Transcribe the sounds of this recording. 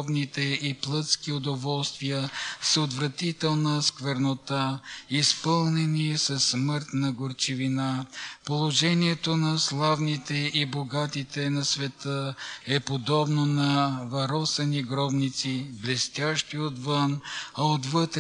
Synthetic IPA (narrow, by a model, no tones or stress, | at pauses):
bnit̪ɛiplˠət̪skiod̪ovɔlˠst̪vijəsot̪vɾɐt̪it̪ɛlˠnəskvɛɾnot̪aispɤlˠnɛnisɐsːmɤɾt̪nɐɡoɾt͡ʃivinapolˠoʒɛniɛt̪onɐslˠavnit̪ɛiboɡat̪it̪ɛnɐsvɛt̪əɛpod̪ɔbnonɐvɐɾɔsɛniɡɾɔbnit̪siblɛst̪ʲjaʃt̪iot̪vənɐot̪vət̪ɾ